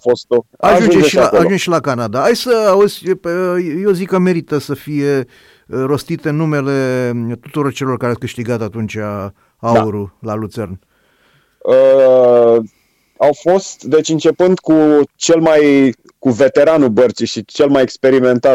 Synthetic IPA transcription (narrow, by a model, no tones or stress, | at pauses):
fost̪oaʒʒunud͡ʒeeʃiaaaʒund͡ʒeʃilakanad̪aajsəozʲ | jeozikəme̞ɾit̪əsəfije̞ | ɾo̞st̪it̪eɨnːume̞le̞t̪ut̪uɾo̞rt͡ʃe̞lo̞rkaɾeawkɨʃt̪iɡat̪at̪unt͡ʃʲa | auɾulalut̪se̞rn | ə | awfo̞st̪d̪e̞t͡ʃʲɨnt͡ʃe̞pɨnd̪kut͡ʃe̞lmaj | kuve̞t̪e̞ɾanubərt̪sijʃit͡ʃe̞lmajekspe̞ɾiment̪a